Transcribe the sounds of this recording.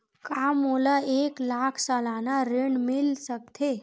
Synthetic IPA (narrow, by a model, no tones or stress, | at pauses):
kamoləeklakʰsəlanaɾeɳɖmilsək̚t̪ʰe